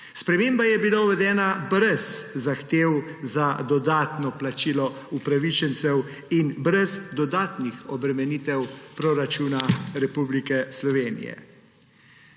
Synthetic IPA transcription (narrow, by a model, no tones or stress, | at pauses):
spɾɛmeːmbajɛbilauʋɛd̪ɛːnabɾɛzːaxt̪eːwzad̪ɔd̪aːt̪nɔplat͡ʃiːlɔ | upɾaʋit͡ʃɛnt̪sɛw | inbɾɛzd̪ɔd̪aːt̪nixɔbɾɛmɛnit̪ɛwpɾoːɾat͡ʃuːnaɾɛpublikɛslɔʋeːnḭjɛ̰